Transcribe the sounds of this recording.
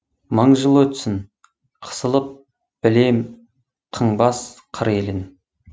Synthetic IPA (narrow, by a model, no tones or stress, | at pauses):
məɴʒəlˠwɵt̪sɪn | qʰə̥səlˠəp̚ | b̥ɪlem | t̪ʰəɴbɑsqʰəɾelɪn